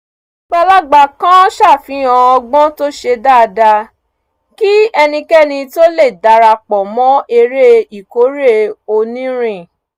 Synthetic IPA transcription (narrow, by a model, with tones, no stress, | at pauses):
k͡pa˧la˦ɡ͡ba˨kã˦ʃa˦˨fĩ˨˦ã˨˧ɔ˧ɡ͡bɔ̃˦to˦ʃe˧da˦˨˧da˧ | ki˦ɛ˧nĩ˧kɛ˦nĩ˧to˦le˦˨da˧ɾa˧k͡pɔ˨mɔ̃˦e˧ɾe˦i˨ko˨˦ɾe˦o˧nĩ˦ɾ̃ĩ˦˨